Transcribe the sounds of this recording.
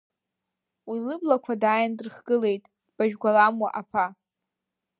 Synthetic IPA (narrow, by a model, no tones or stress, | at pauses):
wilɨblakʷʰadaːjandɨrχɡ̥ɨle̞jtʼ | b̥aʒᶣɡʷalamwa̰ʔapʰa